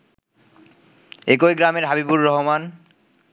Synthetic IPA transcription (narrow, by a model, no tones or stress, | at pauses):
ekojɡɾameɾɦabibuɾːɔɦoman